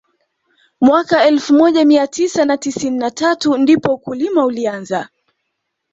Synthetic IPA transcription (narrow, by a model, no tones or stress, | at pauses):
mwakaɛlfumɔʄamiatʰisanatisininatʰatundipɔukulimaulianza